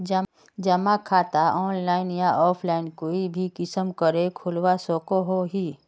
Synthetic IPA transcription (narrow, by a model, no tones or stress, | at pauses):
d͡ʒ | d͡ʒɐmakʰaːt̪aɔːnlaːɪnjãʔɔːpʰlaːɪnkoːibʱikɪsəmkəɾekʰʊlwasoːkoɦoɦiː